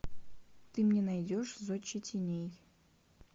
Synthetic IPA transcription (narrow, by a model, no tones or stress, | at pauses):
t̪ɨmnʲenajdʲoʂzot͡ɕːɪtʲʰenʲej